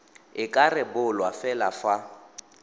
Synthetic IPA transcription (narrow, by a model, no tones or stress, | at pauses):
ɪkʼarɪbʊlwafɛla̰fa